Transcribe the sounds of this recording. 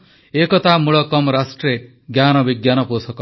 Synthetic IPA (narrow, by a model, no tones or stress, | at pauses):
ekɔt̪amuɭɔkɔmɾasʈɾe | ɡjanɔbiɡjanɔposɔkɔ